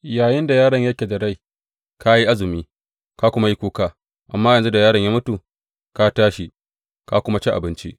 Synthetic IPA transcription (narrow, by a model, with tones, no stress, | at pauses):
jaː˨jɪ˦nda˨jaː˦ɽɐ˨ɲjɐ˦kʲe˨da˨ɽa˦˨j | kʰa˦ji˦ʔa˦zɪ˨miː˦ | ka˦kʷʊ˦ma˦ji˦kʷuː˦kaː˦ | ʔa˨mːaː˦jɐ˨nzu˦da˨jaː˦ɽɐ˨ɲjaː˦mʊ˦tu˨ | ka˦taː˦ʃi˦ | ka˦kʷʊ˦ma˦t͡ʃɛ˦ʔa˨bɪ˦nt͡ʃḭ˦ʔ